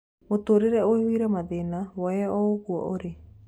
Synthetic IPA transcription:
ot̪oɾeɾɛoiwiɾɛmaðenawɔɛɔoɣuɔ̰ʔoɾe

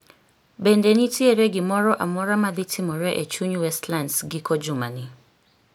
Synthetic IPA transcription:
bɛndɛnĩtʰiɛɾɛɡɪmɔɾɔʔa̰mɔɾamaðitʰimɔɾɛʔet͡ʃuɲuwɛstlãndsɡikʰɔd͡ʒumã̰nɪ̃

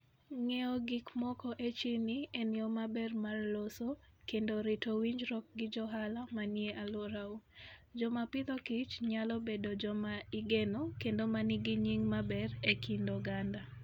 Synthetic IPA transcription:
ŋɛɔɡikmɔkɔʔet͡ʃinɪenɪɔmabɛrmarlosokendoɾɪtowiɲd͡ʒɾɔk̚ɡɪd͡ʒɔɦalamanjeʔalwoɾaud͡ʒɔmapɪt̪okɪt͡ʃɲalɔbedod͡ʒɔmaiɡenokendomanɪɡɪɲiŋmabɛrekʰindoɡanda

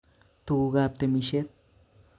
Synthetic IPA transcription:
t̪uuɣap̚t̪emiʃet̪̚

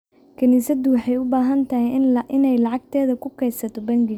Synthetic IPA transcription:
kʰɐniːsɐd̪ʊwɑħɑjʊbaːɦɐnt̪ʰɐɦɛjʔɪnɛjlɑʕɑɡ̚t̪ʰɛːðɐkʰʊkʰɛjsɐt̪ʰɔbɐŋɡɪ

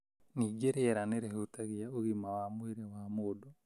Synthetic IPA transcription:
niɡeɾeɛɾaneɾehutaɣiaoɣimawamweɾewamoːdɔ

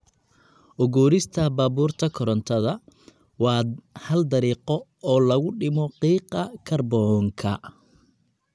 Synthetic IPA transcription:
ʔɔɣuːɾɪst̪ʰɐbaːβuːrt̪ʰɐkʰɔɾɔnt̪ʰɐðɐ | wɑːhɐld̪ɐɾiːqɔɔːlɐɣʊɖɪmɔqiːqɑkʰɐrbɔːŋkʰɐ

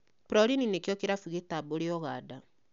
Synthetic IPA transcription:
pɾɔɾininekjɔkeɾafuɣetaboɾeɔɣaːda

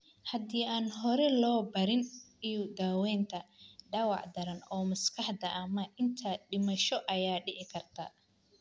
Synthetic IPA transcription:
hɐd̪iːaːnɦɔɾɛlɔːbɐɾɪnid̪aːwɛːnt̪ʰɐɖɐwɑʕd̪ɐɾɐnɔːmɐskʰɑħd̪ɐʔɐmɐʔɪnt̪ʰɐɖɪmɐʃɔʔɐjaːɖɪʕɪkʰɐrt̪ʰɐ̰ː

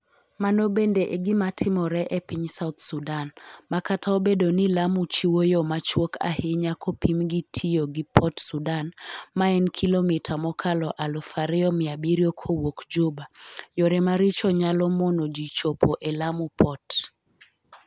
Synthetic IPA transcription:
manobendeʔeɡɪmatʰɪmɔɾɛʔepɪɲsaut̪sudanmakatʰaobedonilamut͡ʃiwojɔmat͡ʃwokʰa̰hɪɲakʰɔpimɡitʰioɡɪpʰɔtsudanmaɛnkʰilomitʰamɔkʰalɔʔalofaɾɪɔmɪabiɾiokʰowokd͡ʒobajoɾɛmaɾit͡ʃɔɲalɔmonod͡ʒit͡ʃopʰoʔelamupʰɔt

